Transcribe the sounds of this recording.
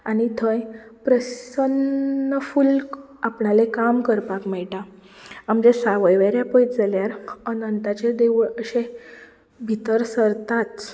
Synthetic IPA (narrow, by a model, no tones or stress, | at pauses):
anit̪ʰə̃jpɾəsənəful | apɳalekamkəɾpakmɛɭʈa | amd͡ʑesaʋəjʋeɾjapəjt̪d͡zaljaɾənənt̪at͡ɕed̪eʋuɭəɕẽ | bʱit̪əɾsəɾt̪at͡s